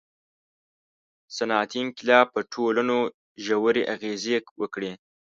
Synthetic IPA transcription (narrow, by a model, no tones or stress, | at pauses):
sanɑːt̪iŋklɑpəʈʰolano | ʒawəɾeʔaɣezekwəkɽe